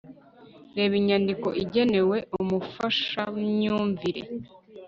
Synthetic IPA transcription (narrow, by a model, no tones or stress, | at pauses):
ɾe̞ːβiɲandiko̞ʔiɟe̞ne̞we̞ʔumufaʃamɲuːɱviɾḛ